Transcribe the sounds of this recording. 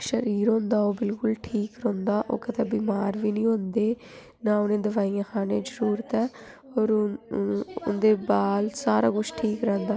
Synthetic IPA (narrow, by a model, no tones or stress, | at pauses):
ʃəɾiːɾõːnd̪aːoːbɪlkʊlʈʰiːkɾõːnd̪aːʔo̰ːkət̪ɛːbiːmaːɾʋiːnĩːɦõːnd̪eː | nãːʊnẽːd̪əʋaːijãːkʰaːnẽːd͡ʒəɾuːɾət̪ɛː | oːɾ | ʊ̰nd̪eːbaːlsaːɾa̰ːɡʊʃʈʰiːkɾɛ̃ːnd̪aː